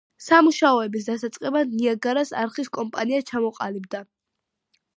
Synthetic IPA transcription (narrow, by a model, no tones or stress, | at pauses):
samuʃaɔɛbis̬d̪asat̪sʼqʼɛbad̪niaɡaɾasa̰ɾχiskʼɔmpʼaniat͡ʃʰamɔqʼa̰lib̚d̪a